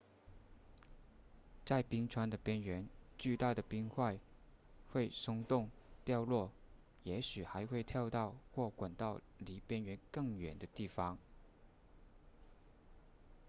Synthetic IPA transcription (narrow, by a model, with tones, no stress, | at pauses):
t͡sa˥˩ɪpi˥ŋʈ͡ʂʰwa˥nd̪ə˨pjɛ˥nɥɛ˧˥nt͡ɕy˥˧t̪a˥˩d̪ə˩pi˥ŋxwa˥˧ɪxwe˥˩ɪsʊ˥ŋt̪ʊ˥˩ŋt̪jɑ˥˧ʊlwɔ˥˩ | jɛ˧˥ɕy˨˩xa˧˥ɪxwe˥˧ɪt̪ʰjɑ˥˧ʊt̪ɑ˥˧ʊxwɔ˥˩kwa˨˩nt̪ɑ˥˩ʊ | li˧˥pjɛ˥nɥɛ˧˥nkɤ˥˩ŋɥɛ˨˩nd̪ə˦t̪i˥˩fɑ˥ŋ